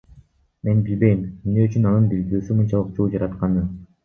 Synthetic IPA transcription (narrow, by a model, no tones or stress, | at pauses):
me̞nbilbe̞jimimneyt͡ʃynɑnɯnbild̪ɾyːsymunt͡ʃɑlˠɯqd͡ʒolˠd͡ʒɑɾɑt̪qɑnɯ